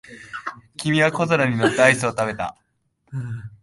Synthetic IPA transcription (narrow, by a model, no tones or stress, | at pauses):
kʲimʲiβako̞zoɾaɲ̟ino̞t̪ːeaisɨot̪abe̞t̪a̰